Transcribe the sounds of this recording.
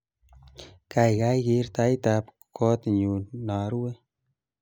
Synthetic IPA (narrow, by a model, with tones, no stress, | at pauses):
ka˨jka˦jkɪ˧ɾta˧˦jtap | kʰɔ˦t̪ɲu˨na˨˦ɾwe˦